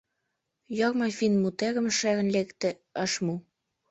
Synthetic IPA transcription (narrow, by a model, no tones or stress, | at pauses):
jɑkmɑfinmut̪eɣə̆mʃæɣə̆nlekt̪ĕ | əʃmu